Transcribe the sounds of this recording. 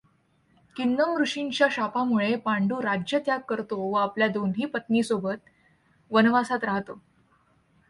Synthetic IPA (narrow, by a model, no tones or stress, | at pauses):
kinːəmɡɾuʂiɲt͡ɕjaɕapamuɭepaɳɖuːɾad͡ʑjət̪jakkːəɾt̪oʋəapljad̪onɦiːpət̪niːsobət̪̚ | ʋənʋasat̪ɾaɦt̪o